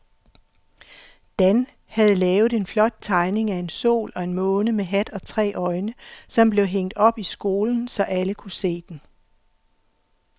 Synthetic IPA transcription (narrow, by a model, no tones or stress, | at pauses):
d̥æn | hæð̞̩ˠlɛːʊð̩ˠe̝nflɒ̽d̥̚t͡sʰɑ̈ɪne̝ŋæe̝nso̝̰ːlɒ̽e̝nmɔ̽ːnəmeɦæd̥ɒ̽t͡sʰʁɛ̰ːʔɒ̽ɪnəsɒ̽mb̥le̝ʊɦeŋ̰d̥ɒ̽b̥isɡ̥o̝ːln̩sɒ̽ʔæləkʰuse̝̰ːd̥en